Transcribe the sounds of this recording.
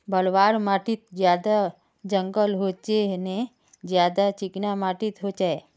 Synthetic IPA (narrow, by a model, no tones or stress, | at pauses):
bəlʋaːɾmaʈit̪̚d͡ʒjad̪a | d͡ʒəŋɡəlɦot͡ʃeɦne | d͡ʒjad̪at͡ʃiknamaʈit̪ɦot͡ʃae